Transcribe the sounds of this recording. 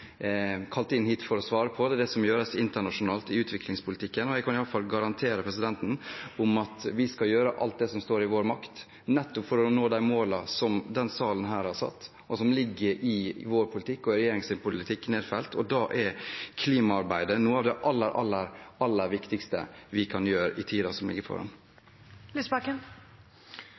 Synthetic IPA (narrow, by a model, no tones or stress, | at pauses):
kʰɑlt̪ɪnhiːt̪fɔɾɔsʋɑːɾəpʰɔd̪ɛːd̪ɛsɔmjøːɾəsɪnt̪əɳɑʂʊnɑːlt̪ɪʉːt̪ʰʋɪklɪŋspʰʊlɪt̪ɪkːənɔjæɪkʰɑnɪɑlːəfɑlɡɑɾɑnt̪ʰeːɾəpʰɾɛsɪd̪ɛnt̪n̩ʊmɑt̪ʋɪskɑljøːɾəʔɑ̰lt̪̚d̪ɛsɔmst̪oːɾɪʋoːɾmɑkt̪ | nɛt̪ːɔpfɔɾɔnoːd̪æɪmoːlɑsɔmd̪ɛnsɑːlənɦæːɾhɑsɑ̰t̪ː | ʔɔsɔmlɪɡːəɾɪʋoːɾpʰʊlɪt̪ʰɪkːɔɪɾɛjeːɾɪŋsɪnpʊlɪt̪ʰɪkːneːd̪fɛlt̪ʰɔd̪ɑːʔɛɾkʰliːmɑɑɾbæɪd̪ənuːəɑːʋd̪ɛʔɑlːəɾʔɑlːəɾɑlːəɾʋɪkt̪ɪkst̪ə̰ʋɪkʰɑnjøːɾəʔɪt̪ʰiːd̪ɑsɔmlɪ̰ɡːəɾpʰɔ̰ɾɑ̰n | lysbɑkən